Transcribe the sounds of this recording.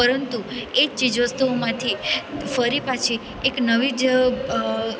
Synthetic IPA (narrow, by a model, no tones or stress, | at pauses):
pəɾənt̪uet͡ʃid͡ʒʋəst̪umãt̪ʰifəɾipat͡ʃʰi | eknəʋid͡ʒ